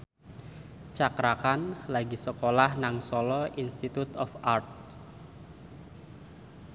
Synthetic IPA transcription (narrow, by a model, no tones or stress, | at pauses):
t͡ʃakɾakanlaɡisəkolahnaŋsɔlɔʔinst̪it̪ut̪ɔfart̪̚